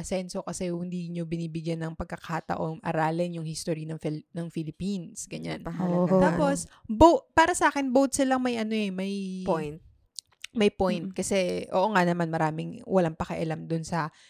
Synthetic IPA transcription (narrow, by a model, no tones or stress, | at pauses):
ɐsɛnsokɐsɛhɪnd̪iːɲo̞bɪniːbɪɡjanːɐŋpɐɡ̚kɐkat̪ɐ̰ʔo̞ŋʔɐ̰ɾaːlɪnjʊŋhist̪oɾinɐŋfnɐŋfɪlɪpinsɡɐɲant̪aːpo̞sbowpaːɾɐsɐʔaːkɛnbowt̪̚sɪlɐŋmɐjʔɐnoʔɛmɐjpj̪ | mɐjpojnt̪̚kɐsɛʔo̰ːʔoŋanɐmanmɐɾaːmɪŋwɐlaŋpɐkɐʔɐlamd̪ʊnsɐ